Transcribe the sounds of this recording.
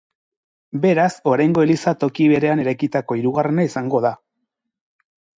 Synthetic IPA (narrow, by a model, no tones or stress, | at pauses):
be̞ɾaso̞ɾajŋɡo̞elisat̪o̞kiβe̞ɾe̞ane̞ɾajkit̪ako̞iɾuɣarenaisaŋɡo̞ða